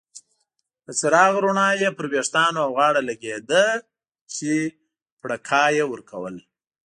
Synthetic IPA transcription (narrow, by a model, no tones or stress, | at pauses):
ət͡saɾɑɣɾuɳɑjepəɾbeʂt̪ɑnoawɣɑɽalaɡed̪ə | t͡ʃe | pɽakʰɑjewəɾkʰawə̰l